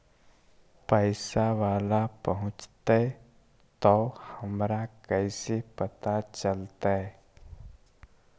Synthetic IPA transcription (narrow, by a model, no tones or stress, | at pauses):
pəɪsaʋaːlapəɦʊ̃t͡ʃt̪e | t̪ɔhəmɾakɛɪsepət̪at͡ʃəlt̪aɦɛ